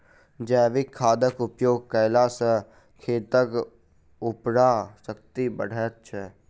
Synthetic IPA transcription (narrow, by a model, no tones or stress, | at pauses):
d͡ʒɛːʋɪkʰːaːd̪əkʊpjoːɡ̚kəːlasə | kʰeːt̪ək | ʊpɽasək̚t̪ibə̰ɽ̤ʱət̪̚t͡ʃʰɛ